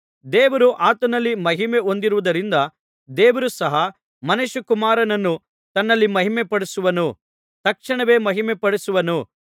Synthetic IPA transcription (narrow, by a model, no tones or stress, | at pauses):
d̪eːʋɐɾuʔaːt̪ɐnɐlːimɐɦimeo̞nd̪iɾuʋud̪ɐɾind̪ɐ | d̪eːʋɐɾusɐɦɐ | mɐnuʃukumaːɾɐnɐnːu | t̪ɐnːɐlːimɐɦimɛpɐɽusuʋɐnu | t̪ɐkʂɐɳɐʋe̞ːmɐɦimɛpɐɽusuʋɐnu